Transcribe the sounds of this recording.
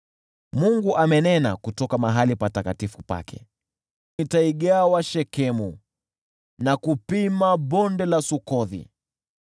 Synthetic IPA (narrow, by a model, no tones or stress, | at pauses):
muŋɡuʔamɛnɛna̰kutɔkamaɦalipatakatifupa̰kɛ̰ | itaiɠawaʃɛkɛmu | nakupimaɓɔndɛlasukɔðḭ